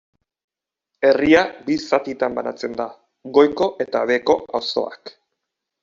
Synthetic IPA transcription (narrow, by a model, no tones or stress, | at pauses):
e̞riabisat̪it̪ambana̰t͡se̞nd̪a | ɣo̞jko̞ʔe̞t̪aβe̞ko̞a̰wso̞̰a̰k